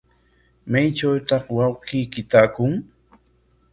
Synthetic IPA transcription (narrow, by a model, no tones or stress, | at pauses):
majt͡ʃawt̪ɑχwɑwqijkɪt̪akʊŋ